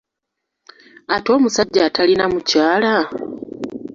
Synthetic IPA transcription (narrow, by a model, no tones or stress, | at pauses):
ato̞ːmusaɟːaːtʰalinamucaːla